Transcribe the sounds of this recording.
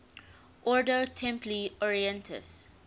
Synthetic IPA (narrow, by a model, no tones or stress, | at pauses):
ʔɔɹdotʰɛ̃mpliɔɹiɛ̃ntʰə̰s